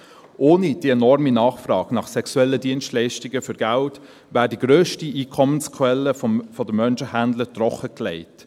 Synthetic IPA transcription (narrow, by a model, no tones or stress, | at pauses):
ʔoːnid̥iːɛnɔɾminɑːχfrɑːɡ̥nɑχsɛkswɛlːədiənstlɛɪʃtɪɡəfʏɾɡ̥ælt | væːɾdiɡ̥ɾøːʃtiʔiːkʰɔmənskʰwɛlːəfɔdəmːœnʃəhændlətɾɔχəklɛɪt